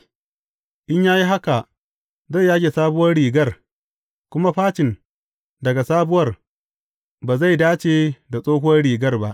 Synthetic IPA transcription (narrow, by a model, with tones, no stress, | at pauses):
ʔɪ˦ɲjaː˦ji˦ɦa˦ka˨ʔ | za˦˨ja˦ɡʲeː˨saː˦bʊ˦wɐ˦rɽiː˨ɡɐ˦r | kʷʊ˦ma˦ɸaː˦t͡ʃɪ˨n | dɐ˨ɡa˨saː˦bʊ˦wɐ˦r | baː˨za˦˨jdaː˦t͡ʃeː˨da˨sʼoː˦ɦʊ˦wɐ˦rɽiː˨ɡɐ˦rba˦ʔ